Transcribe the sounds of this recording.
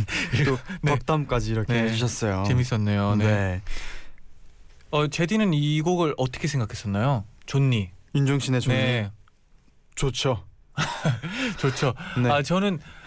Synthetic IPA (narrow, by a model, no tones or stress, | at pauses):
oneʌk̚t͈amk͈ad͡ʑiːɾʌknʰeɦed͡ʑuɕʰʌs͈ʌjot͡ɕe̞mis̬͈ʌnːejone | ʌt͡ɕe̞dinɯniɡoɡɯɭʌt͈ʌkʰe̞sʰe̞ŋɡakʰes͈ʌnːajot͡ɕonːiind͡ʑoŋɕ͈ʰine̞t͡ɕoe̞i | t͡ɕot͡ɕʰo | t͡ɕot͡ɕʰoneat͡ɕʌnɯn